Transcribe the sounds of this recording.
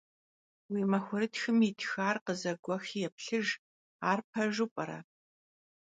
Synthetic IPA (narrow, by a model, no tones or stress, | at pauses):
wiːmɐxʷʊɾɨtxɨmitʰxaːrqəzɐɡʷɔxjɛpɬɨʒ | aːrp̚ʰɐʒɨpʼɐɾɐ̰